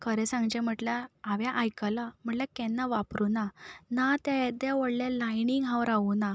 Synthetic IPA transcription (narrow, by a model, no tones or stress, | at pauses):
kəɾɛsãŋɡd͡ʑɛ̃m̤əʈlaːʋjaʔajkəlam̤əɳʈlakɛnːaʋapɾunanat̪ãd̪aʋəɽljalajniŋɡɦãʋɾauna